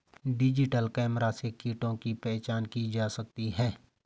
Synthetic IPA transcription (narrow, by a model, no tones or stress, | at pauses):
ɖɪd͡ʒɪʈəlkɛːmɾasekiːʈõkipɛːt͡ʃaːnkid͡ʒaːsək̚t̪iɦɛː